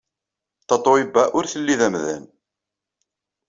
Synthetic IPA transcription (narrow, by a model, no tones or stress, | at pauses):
t̪ɑt̪ˤːoibæʔʊɾθəlːiðæmðæ̰n